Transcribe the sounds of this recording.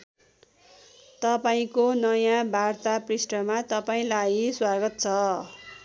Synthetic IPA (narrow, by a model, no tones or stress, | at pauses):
t̪ʌpaĩkonʌjãbʱart̪aprisʈʌmat̪ʌpaĩlajswaɡʌt̪̚t͡sʰʌ